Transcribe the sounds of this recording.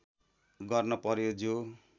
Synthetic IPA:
ɡʌrnʌpʌɾjod͡zo

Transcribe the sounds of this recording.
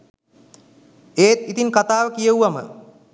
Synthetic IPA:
eːt̪it̪iŋkat̪aːʋəkijəuʋamə̰

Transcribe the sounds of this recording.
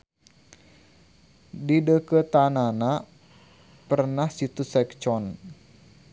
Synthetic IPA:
didəkət̪anana | pərnahsit̪usɛkt͡ʃɔn

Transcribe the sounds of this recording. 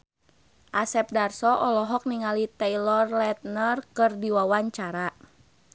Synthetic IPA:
ʔasɛp̚darsɔʔɔlɔɦɔk̚niŋalit̪ɛilɔrlɛt̪̚nərkɨrdiwawaɲt͡ʃaɾa

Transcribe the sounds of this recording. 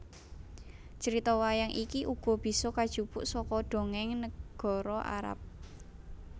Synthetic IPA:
t͡ʃəɾit̪ɔwajaŋʔikiʔuɡ̥ɔ̤b̥i̤sɔkad̥ʒ̥upʊʔsɔkɔɖ̪̥o̤ŋɛŋnəɡ̥ɔ̤ɾɔʔa̰ɾa̰p̚

